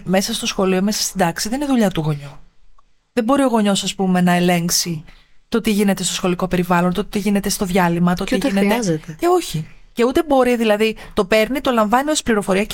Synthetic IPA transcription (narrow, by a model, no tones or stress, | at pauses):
me̞sɐst̪o̞sxo̞lio̞me̞sɐ̥st̪id̪ɐksiðe̞nineðuʎɐt̪uɣo̞ɲu | ðembo̞ɾio̞ɣo̞ɲo̞sɐspume̞nɐe̞le̞ŋksit̪o̞t̪iʝine̞t̪e̞st̪o̞sxo̞liko̞pe̞ɾivɐlo̞nt̪ot̪iʝine̞t̪e̞st̪o̞ðʝɐlimɐt̪otiʝinet̪ezet̪eeo̞çi | ce̞ut̪e̞bo̞ɾiðilɐðit̪o̞pe̞ɾnit̪o̞lɐɱvɐniosi̥pliɾo̞fo̞ɾiɐ